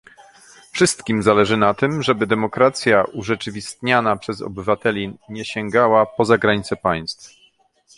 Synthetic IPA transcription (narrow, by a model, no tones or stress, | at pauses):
fʂɘst̪kʲimzalɛʐɘnat̪ɘmʐɛbɘd̪ɛmɔkɾat̪sʲjaʔuʐɛt͡ʂɘvʲist̪ɲanapʂɛzɔ̰bɘvat̪ɛlʲiɲɛɕɛŋɡawapɔzaɡɾaɲit̪sɛpaj̃st̪f